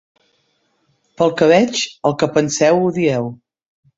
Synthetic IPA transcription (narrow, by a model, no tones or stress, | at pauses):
pəlˠkəβ̞ɛt͡ʃəlˠkəpənsɛwuðiɛw